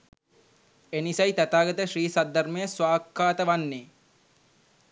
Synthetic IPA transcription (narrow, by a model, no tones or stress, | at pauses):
enisɐjt̪æt̪aːɡɐt̪əʃɾiːsad̪ʱːɐɾmejəsʋaːkʰːaːt̪əʋanːeː